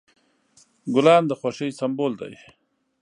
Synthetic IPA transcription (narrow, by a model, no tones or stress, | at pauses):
ɡʊlɑːnd̪əxwaʂəjsamboːld̪a̰j